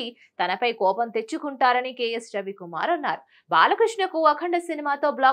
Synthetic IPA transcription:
i | t̪ɐnɐpɐjkɔːpɐnt̪e̞t͡ʃːukuɳʈaːɾɐnikeːjesd͡ʒɐbikuma̰ːɾɐnːa̰ːɾu | ba̰ːlɐkɾiʂɳɐkuɐkʰɐɳɖɐsinimaːt̪o̞ːblaː

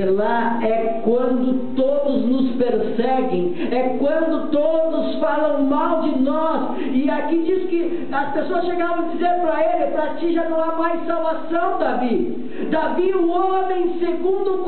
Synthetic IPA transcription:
ɾla | ɛ | kwɐ̃nd̪ʊt̪od̪ʊznʊspeɾsɛɡẽj̃ | ɛkwɐ̃nd̪ʊt̪od̪ʊsfalɐ̃w̃mawd͡ʒɪnɔs | ɪakid͡ʒiskɪ | ɐspesoɐsʃeɡaɾɐ̃w̃d͡ʒizeɾpɾɐelɪpɾɐt͡ʃiʒanɐ̃w̃amajsːawvasɐ̃w̃d̪avi | d̪aviʊomẽj̃seɡũnd̪ʊk

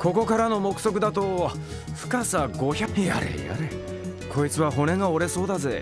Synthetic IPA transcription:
kʰo̞ko̞kaɾano̞mo̞kɯ̥so̞k̬ɯ̟d̪at̪o̞ | ɸɯ̟̥kasaɡo̞çaka̰ɾḛa̰ɾe | kʰo̞it͡sɨβaɦo̞ne̞ŋaoɾe̞so̞ːd̪aze̞

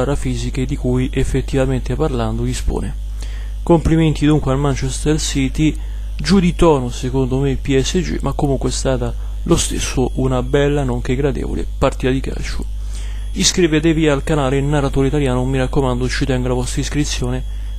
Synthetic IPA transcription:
aɾafiːziked̪ikujʔefːet̪ːivament̪eparland̪oispo̰ːne | kompliment̪id̪uŋkwealmant͡ʃɛst̪ersit̪i | d͡ʒud̪it̪ɔːnosekond̪omeilpiɛsːed͡ʒḭmʔakːomuŋkweɛst̪aːt̪a | lost̪ḛsːoʔunabɛlːanoŋk̟eɡːɾad̪ḛːvo̰lḛpart̪iːt̪ad̪ika̰ːt͡ʃu | iskɾivet̪eviaːlkanaːleilnarːat̪oːɾeit̪aljaːnomiɾakːomand̪ot͡ʃːit̪ɛŋɡolavɔst̪ɾaiskɾit̪sːjoːne

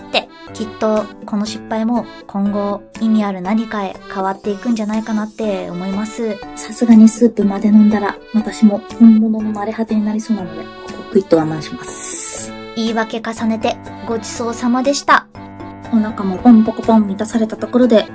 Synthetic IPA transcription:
t̪ːe̞ | kʲit̪ːo̞ko̞no̞ɕi̥pːaimo̞ | kʰõ̞ŋɡo̞imʲiaɾɯ̟naɲ̟ikae̞̰kaβ̞at̪ːe̞ikɯ̟̃n̟d͡ʑanaikanat̪ːe̞o̰mo̞imasɨsasɨɡaɲ̟isɨːpɯ̟mad̪e̞nõnd̪aɾa | βat̪aɕimo̞hõmbononomaɾehat̪eɲ̟inaɾʲiso̞ːnanod̪e̞̰kkokɯ̟it̪ːoβanːãɕi̥masɨ̥ | iːβake̞kasane̞t̪e̞ | ɡo̞d͡ʑi̥so̞ːsamad̪e̞ɕi̥t̪a | onakamo̞põmp̪okopõmmʲit̪asaɾe̞t̪at̪o̞ko̞ɾo̞d̪e̞

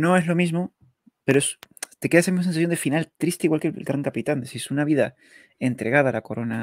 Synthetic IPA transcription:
no̞e̞zlo̞mizmo̞ | pe̞ɾoest̪ekeaesamizmas̬ensaθjo̞nd̪efinalt̪ɾist̪eiɣwalkelɣɾaŋkapit̪and̪esiɾesunaβ̞iða | e̞nt̪ɾe̞ɣaðalako̞ɾo̞na

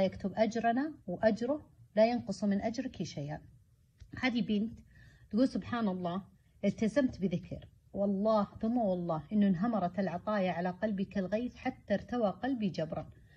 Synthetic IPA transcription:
jakt̪ʊbʔad͡ʒɾˤnawʔad͡ʒɾʊlajanqʊsˤmɪnʔad͡ʒɾkiʃajʔaːn | haːd̪ibɪːnt̪t̪ɡuːlsʊbħaːnɑlˤːɑː | ʔɪlt̪azamt̪bɪðɪkʰɪ̰ɾ | wɑlˤːɑːhθʊmːawɑlˤːɑːhʔɪnːʊnɦamɑɾˤɑt̪ɪlʕɑt̪ˤɑːjaʕalaqalbikɪlɣeːt̪ħat̪ːaɾt̪awaqɑlbid͡ʒabɾˤɑn

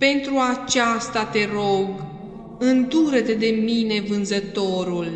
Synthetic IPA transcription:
pe̞nt̪ɾuat͡ʃast̪at̪e̞ɾo̞ɡ | ɨnd̪uɾət̪ed̪e̞mine̞vɨnzət̪o̞ɾul

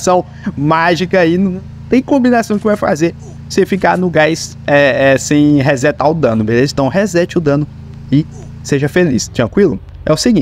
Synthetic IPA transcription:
sɐ̃w̃ | maʒikɐaiñ | t̪ẽj̃kõmbinasɐ̃w̃kɪvajfa̰ze | sefikaɾnʊɡajs | ɛɛsẽj̃ɦɛzɛt̪aʊd̪ɐ̃nʊbelezĩt̪ɐ̃w̃hɛzɛt͡ʃɪʊd̪ɐ̃nʊ | ɪ | seʒɐfelḭst̪ɾɐ̃kwilʊ | ɛ̰ʊsiɡĩ

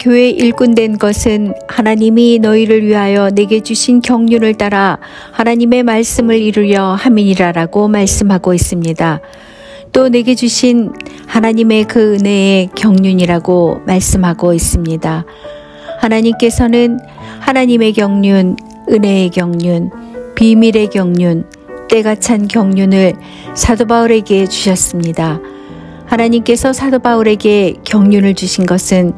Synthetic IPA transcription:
kjoe̞ʔiɭk͈undwe̞nɡʌsʰɯnhanaɲiminʌiɾɯɭɥiɦajʌne̞ɡe̞d͡ʑuɕʰinkjʌŋɲunɯɭt͈aɾa | hanaɲime̞maɭs͈ɯmɯɾiɾuɾjʌhamiɲiɾaɾaɡomaɭs͈ɯmɦaɡois͈ɯmɲida | t͈one̞ɡe̞d͡ʑuɕʰin | hanaɲime̞kɯɯne̞ekjʌŋɲuɲiɾaɡomaɭs͈ɯmɦaɡois͈ɯmɲida | hanaɲimk͈e̞sʰʌnɯn | hanaɲime̞kjʌŋɲun | ɯne̞ːkjʌŋɲunpimiɾe̞kjʌŋɲun | t͈e̞ɡat͡ɕʰankjʌŋɲunɯɭ | sʰadobauɾe̞ɡe̞t͡ɕuɕʰʌs͈ɯmɲida | hanaɲimk͈e̞sʰʌsʰadobauɾe̞ɡe̞kjʌŋɲunɯɭt͡ɕuɕʰinɡʌsʰɯn

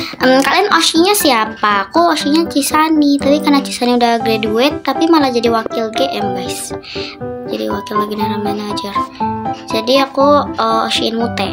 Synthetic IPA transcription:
əmkalianʔosiɲasiapaːkuosiɲat͡ʃisanit̪apikarnat͡ʃi̥saniudahɡɾeduɛt̪ːapimalahd͡ʒadiwakilɡeʔɛmbas | d͡ʒadḭwakɪlɡəɡənaɾamanad͡ʒərd͡ʒadiakuəo̰sʃiɪnmut̪ɛ

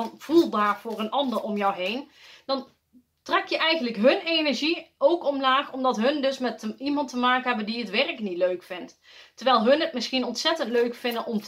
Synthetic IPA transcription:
nv̥ulˠdaːɹvʊːrənʔɑndəɹɔmjɔwɦejnd̥ɑn | trɛkjəʔɛjɣəntləkɦɵnenɛɹʒiowkɔmlaːxɔmdɑtɦɵndɵsmɛtəimɑntəmaːkənɦɛbəndiətʋɛrəknitløɥkfɪntː | əɹʋɛjlˠɦɵnətmɪsxinɔntsɛtəntløɥkfɪndənʔɔmt

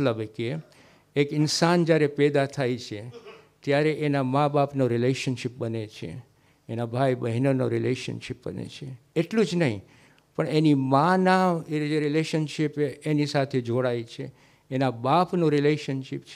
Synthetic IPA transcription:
ləbke | ekɪnsand͡ʒjaɾepɛd̪at̪ʰajt͡ʃʰe | t̪jaɾeʔenamãbapnoɾileʃənʃip̚bənet͡ʃʰḛː | nabʱajbəɦinono̰ɾileʃə̰nʃip̚bə̰nḛt͡ʃʰeeʈlũd͡ʒnəɦĩ | pəɳenimãnaeɾileʃənʃipeenisat̪ʰed͡ʒoɽajt͡ʃʰeː | nabapnoɾileʃənʃipt͡ʃʰ

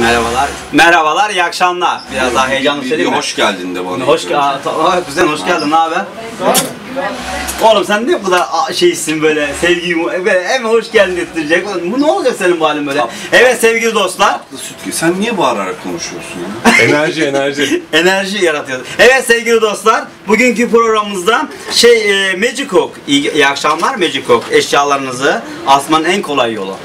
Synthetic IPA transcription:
mɛɾabalˠaɾ | mɛɾabalˠaɾjakʃamlˠabiɾazd̪aɦejjalnˠːɯʃeihoʃɟælʲd̪ind̪ɛba̰nahoʃat̪ʰohaɡizɛnhoʃɟælʲd̪imaːbæ | olˠumsænːɛbud̪aʃejiʃsinbø̞ːlʲɛsɛvɟimubølʲɛɛmho̞ʃɟælʲd̪inift̪ʰiɾid͡ʒɛcobunuolˠd̪usenimbualʲɯmbøjlʲeɛvɛt̪sevɟilʲid̪o̞st̪lˠaɾ | s | sænːijɛbaːlˠa̰ɾakʰo̞̰nuʃujoɾsunjaenæɾʒienæɾʒienæɾʒijaɾat̪ʰɯjod̪uɛvɛt̪sevɟilʲid̪o̞st̪lˠaɾ | buɟyɲcypɾo̞ɡɾamɯɯzd̪a | ʃejmed͡ʒikʰokijakʃamlˠaɾmed͡ʒikʰokɛʃjaːlˠaɾɯnɯzɯ | asmannænkʰo̞lˠajːo̞̰lˠṵ

